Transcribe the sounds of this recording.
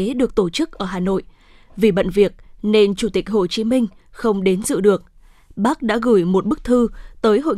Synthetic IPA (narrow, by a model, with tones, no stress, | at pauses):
e˨˦ɗɨ˨˩ək̚t̪o˧˩t͡ɕɨ˦˥k̚ʔəː˧˩ɦaː˨˩no̰˧˨jʔ | vi˨˩ɓə̰˧˨nvi˨˩ək̚ne˧nt͡ɕu˧˩t̪ï˨˩k̟̚ho˧˨˩t͡ɕi˨˦mï˧ŋ̟ | xə˧wŋ͡mɗe˨˦nzɨ̰˧˨ɗɨ˨˩ək̚ | ɓaː˦˥k̚ɗa̰ː˧˥ɣɨ˧˩jmo˨˩t̚ɓɨ˦˥k̚t̪ʰɨ˧t̪əː˨˦jɦo̰˧˨